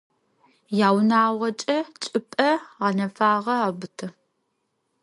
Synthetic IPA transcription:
jaːwnaːʁɐt͡ʃʼɐt͡ʃʼɪpʼɐʁɑnɐfaːʁɐaːbɨtʰɨ

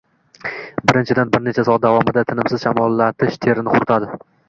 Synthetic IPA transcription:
bɪɾɪnt͡ʃʰɪd̪anbɪɾne̞t͡ʃʰasɒat̪̚d̪avɒmɪd̪at̪ʰɪnɪmsɪzʃamɒlˠːat̪ʰɪʃt̪ʰe̞ɾɪnɪqʰʊɾt̪ʰad̪ɪ

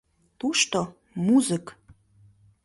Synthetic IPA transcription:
t̪uʃt̪o | muzək

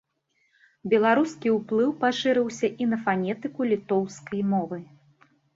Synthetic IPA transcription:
bʲɛlˠaɾuskʲiwplˠɨwpaʂɨɾɨwsʲɐʔinɐfanʲɛt̪ɨkulʲit̪ɔwskɐjmɔvɨ

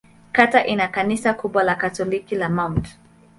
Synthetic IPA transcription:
kataʔinakanisakuɓwalakatɔlikilamaunt

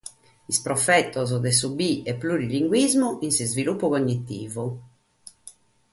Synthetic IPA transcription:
ispɾɔfɛt̪ːɔzd̪ɛs̬ubiɛpːluɾiliŋɡwizmuʔinsizvilupːukoɲːit̪ːiːvu

